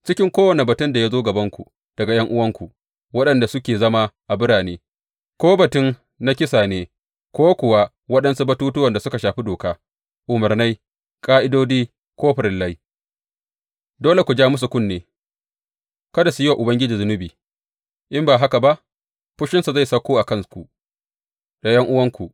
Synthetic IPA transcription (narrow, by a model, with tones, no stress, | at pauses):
t͡ʃɪ˦kʲɪ˦ŋkʷoː˦wɐ˨ne˨bɐ˨tɪ˦nda˨ja˦zoː˦ɡɐ˨bɐ˦ŋkʷu˨ | d̥ɐ˨ɡa˨jɐ˦ŋʔʊ˦wɐ˦ŋkʷu˨ʔ | wɐ˦ɗɐ˨nda˨sʊ˦kʲeː˨zɐ˦ma˦ʔa˨bɪ˦ɽaː˨neː˦ | koː˦bɐ˨tɪ˦n | na˦kʲɪ˦saː˨neː˦ | kʷoː˦kʷʊ˨wa˦ | wɐ˦ɗɐ˦nsu˦bɐ˦tuː˦tʊ˦wɐ˨nda˨sʊ˦ka˨ʃaː˨ɸi˦doː˨kaː˦ | ʔʊ˨mɐ˨rna˦j | kʼaː˦ʔɪ˦doː˦diː˦ | kʷoː˦ɸɪ˨ɾɪ˨lːa˦j | doː˦le˨kʷu˨d͡ʒaː˦mʊ˦s̬u˨kʷʊ˦nːeː˨ | kɐ˦da˨su˨ji˦wa˨ʔʊ˨bɐ˦ŋɡʲɪ˦d͡ʒiː˨zʊ˦nʊ˦biː˨ | ʔɪ˦mbaː˨ɦa˦ka˨ba˦ʔ | ɸʊ˦ʃɪ˦nsu˨za˦˨sɐ˦kʷoː˦ʔa˨kɐ˦ŋkʷu˨ | da˨jɐ˦ŋʔʊ˦wɐ˦ŋkʷu˨ʔ